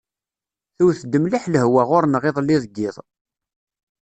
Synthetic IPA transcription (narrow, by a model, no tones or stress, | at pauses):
θuwθəd̪ːəmliħləhwaʁʊɾnʁɪðˤlːɪðˤɡːɪðˤ